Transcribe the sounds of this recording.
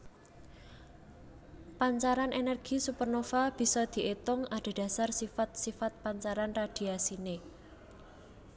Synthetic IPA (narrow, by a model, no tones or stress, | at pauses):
paɲt͡ʃaɾanʔenɛrɡ̥i̤supərnofab̥i̤sɔd̪̥i̤ʔet̪ʊŋaɖ̪̥e̤d̥ä̤sarsifat̪̚sifat̪̚paɲt͡ʃaɾanrad̪̥i̤asine